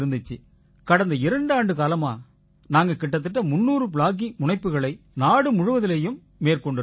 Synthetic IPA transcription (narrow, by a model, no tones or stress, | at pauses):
ɾɯnd̪ɯt͡ʃːɯ | kɐɽɐnd̪ɐɪɾɐɳɖaːɳɖɯkaːlɐmaː | naːŋɡɐkɪʈːɐt̪̬ːɯʈːɐmʊnːuːɾɯp̬ɭaːɣ̬imʊɳɐɪpːɯɣɐɭɐɪnaːɽɯmʊɻʊʋɐðɪlɐjɯmːeːrkɔɳɖɯ